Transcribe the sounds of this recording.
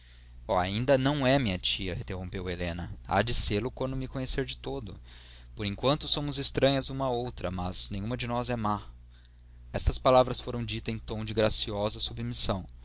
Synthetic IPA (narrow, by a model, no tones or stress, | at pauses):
ɔa̰ĩnd̪ɐnɐ̃w̃ɛmĩɲɐt͡ʃiɐĩt̪eɦõmpewelẽnɐa̰d͡ʒɪseɾlʊkwɐ̃nd̪ʊmɪkõɲeseɾd͡ʒɪt̪od̪ʊ̰ | poɾẽŋkwɐ̃nt̪ʊsõmʊzɪst̪ɾɐ̃ɲɐzũmɐowt̪ɾɐmɐz̥nẽj̃ɲ̃ũmɐd͡ʒɪnɔzɛma | ɛst̪ɐspalavɾɐsfoɾɐ̃w̃d͡ʒit̪ɐẽj̃t̪õw̃d͡ʒɪɡɾasiɔzɐsubmisɐ̃w̃